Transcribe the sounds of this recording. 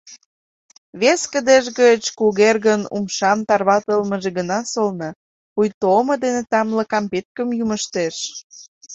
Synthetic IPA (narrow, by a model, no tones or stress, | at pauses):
βeskə̆d̪eʒɡət͡ɕkuɣerɣənṵmʃɑmt̪ɑrβɑt̪əlməʒeɡənɑsolnɤ | pujt̪omɤ̆d̪enet̪ɑmlɤ̆kɑmpet̪̚kəmjuməʃt̪eʃ